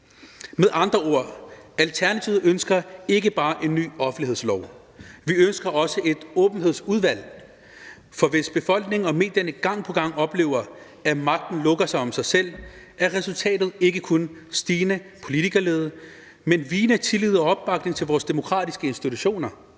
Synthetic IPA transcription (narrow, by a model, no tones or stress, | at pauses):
meðˠɑ̈nd̥ʁɐo̝ɐ̰ælt͡sʰæɐnæt͡sʰiʊð̩ˠønsɡ̥ɐe̝ɡ̥əb̥ɑ̈ːʔe̝nːy̰ːɒ̽fn̩lihḛslɒʊ | ʋiønsɡ̥ɐɒ̽səʔe̝d̥ɔːb̥n̩ɦe̝ð̞ˠsuð̞ˠʋæl̰ | fɒ̽ʋe̝sb̥e̝fɒ̽l̰ɡ̥ne̝ŋ̩ɒ̽me̝̰ːd̥jɐnəɡ̥ɑ̈ŋ̰pʰɒ̽ɡ̥ɑ̈ŋ̰ɒ̽b̥le̝̰ːʊ̰ɐ | æmɑ̈ɡ̥̚d̥n̩lɔ̽ɡ̥ɐsɑ̈ɪɒ̽msɑ̈ɪsel̰ | æɐʁɛsult͡sʰɛ̰ːd̥ð̩ˠe̝ɡ̥əkʰonsd̥iːnəpʰo̝lit͡sʰiɡ̥ɐleːð̞ˠ | menʋiːnət͡sʰe̝lið̞̩ˠɒ̽ɒ̽b̥̚ːɑ̈ɡ̥ne̝ŋt͡sʰe̝lʋɒːsd̥e̝mo̝kʰʁɑ̰̈ːdisɡ̥əe̝nsd̥it͡sʰuɕo̝̰ːnɐ